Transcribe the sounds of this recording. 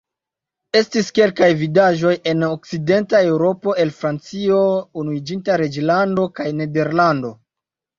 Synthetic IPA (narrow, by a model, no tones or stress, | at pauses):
e̞stiske̞lkajvidaʒo̞je̞nok̚t͡side̞ntae̞wɾo̞po̞e̞lfɾant͡sio̞unuid͡ʒintaɾe̞d͡ʒlando̞kajne̞de̞ɾlando̞